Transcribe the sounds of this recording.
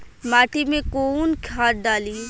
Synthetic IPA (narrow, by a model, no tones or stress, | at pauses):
maːʈimẽkoːnkʰaːt̚ɖaːliː